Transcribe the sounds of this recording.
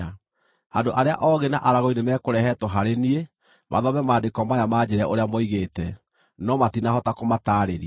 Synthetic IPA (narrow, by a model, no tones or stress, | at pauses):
andoʔaɾea̰ʔɔɣena̰ʔaɾaɣoinemɛːkoɾɛɦɛtɔɦaɾenie | mʔa̰ðɔβɛmaːndekɔmajamaːd͡ʑeɾɛaʔoɾeamɔiɣetɛ | nɔmatinaɦɔtakomataːɾeɾi